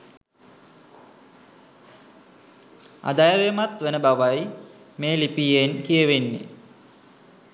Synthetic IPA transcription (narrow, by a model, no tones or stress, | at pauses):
a̰d̪ajəɾemat̪ʋenəbaʋaj | meːlipijenkijəʋenːḛ